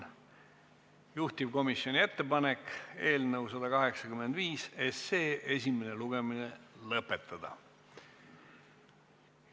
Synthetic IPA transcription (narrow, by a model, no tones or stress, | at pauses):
juht̪ib̥̚ko̞misjo̞nʲie̞t̪ːe̞pɑne̞ke̞ːlnɤwsɑd̪ɑkɑɦe̞ksɑkyme̞nd̪viːseseːʔe̞sʲimeneluɡe̞minelɤpːˑe̞t̪ːˑɑd̪̥ɑ̰